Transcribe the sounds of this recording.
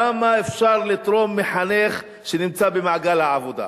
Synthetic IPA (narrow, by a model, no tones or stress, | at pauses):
amaefʃaʁlit̪ʁo̞mːeħaneχ | ʃenimt͡sabemaʕɡalhaʕavod̪a̰